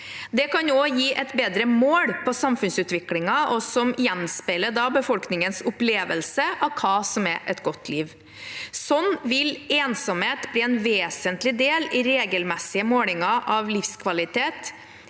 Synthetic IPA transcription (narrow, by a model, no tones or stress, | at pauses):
d̪ɛkɑnoːjiːʔɛt̪beːd̪ɾəmoːɽpʰɔsɑmfʉnsʉːt̪ʋɪklɪŋɑʔɔsɔmɪjɛnspɛləd̪ɑːbəfɔlknɪŋənsʊpleːʋəlsəʔɑʋkʰɑːsɔmɛ̰ʔɛt̪ɡɔt̪ʰːliːʋ | sɔnːʋɪleːnsɔmheːt̪bliːɛnʋeːsənt̪lɪd̪eːlɪɾeːɡəlmɛsːɪəmoːlɪŋɑʔɑʋlɪfskʰʋɑlɪt̪eːt̪